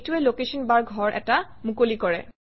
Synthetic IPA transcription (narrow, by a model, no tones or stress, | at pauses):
tuɛlokesɔnbaɹɡɡʱɔɹʔɛ̰tamukolikɔɹɛ̰